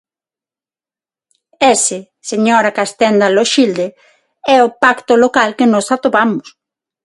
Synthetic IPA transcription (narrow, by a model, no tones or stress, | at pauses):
esɪ | seɲɔɾakast̪ɛnd̪aloʃild̪ɪ | ɛopakt̪ʊlokalkɪnɔsat̪oβamʊs